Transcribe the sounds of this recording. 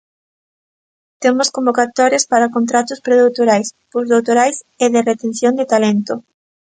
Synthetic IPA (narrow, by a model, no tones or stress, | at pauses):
t̪emʊskõmbokat̪ɔɾjespaɾakont̪ɾat̪ʊspɾeðowt̪oɾajspozðowt̪oɾajs | eðɪret̪ẽnθjond̪et̪alent̪o